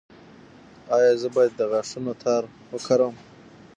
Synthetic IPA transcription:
ɑjɑːzəbɑjad̪ːəɣaʂunot̪ʰɑːɾ | wəkʰaɾəm

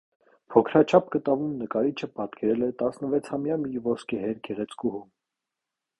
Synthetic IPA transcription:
pʰɔkʰɾɑt͡ʃʰɑp̚ɡət̪ɑvumnəkɑɾit͡ʃʰəpɑt̪kʰɛɾɛlɛt̪ɑsnəvɛt͡sʰhɑmjɑmivɔskɛɦɛɾɡɛʁɛt͡skuɦum

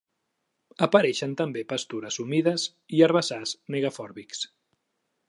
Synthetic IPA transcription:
əpəɾɛʃənt̪əmbepəst̪uɾəzumiðəz | iəɾβəzazmeɣafɔɾβiks

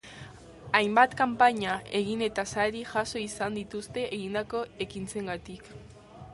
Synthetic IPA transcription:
ajmbat̪kampaɲae̞ɣine̞t̪asaɾiʝaso̞isand̪it̪ust̪e̞ʔeɣind̪ako̞e̞kint͡se̞ŋɡat̪ik

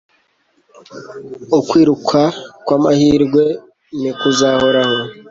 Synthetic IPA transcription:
ukwiːɾukʰakwaːmahiːɾɡwe̞ | nikuzaho̞ɾaho

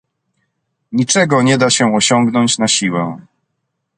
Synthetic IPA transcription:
ɲit͡ʂɛɡɔɲɛd̪aɕɛɔɕɔŋɡnɔɲt͡ɕnaɕiwɛ

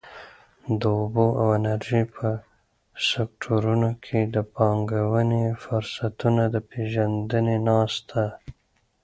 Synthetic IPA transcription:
d̪əʊboʔawanaɾʒipʰə | sek̚ʈʰoɾunokʰed̪əpɑŋɡawənefʊɾsat̪unad̪əpeʒand̪ənenɑst̪ʰa

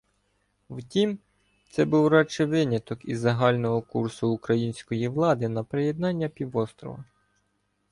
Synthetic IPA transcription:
wtʲim | t̪sɛbuwɾɑt͡ʃɛʋɪnʲɐt̪ɔkizːɐɦɑlʲnɔɦɔkursʊːkɾɐjinʲsʲkɔjiʋlˠɑd̪ɪnɐpɾejed̪nɑnʲːɐpʲiʋɔst̪ɾɔ̰ʋɐ

